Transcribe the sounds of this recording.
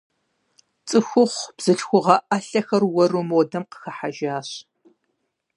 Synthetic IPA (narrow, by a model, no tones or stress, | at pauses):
t͡sʼɨxʷʊχʷb̥z̥ɨɬxʷʊʁɐʔaɬɐxɐrwɔrumoːdɐmqə̥xɐħaʒaːɕ